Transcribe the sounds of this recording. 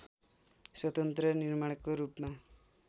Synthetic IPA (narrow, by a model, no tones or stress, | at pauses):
swʌt̪ʌnt̪ɾʌniɾmaɽkoɾupma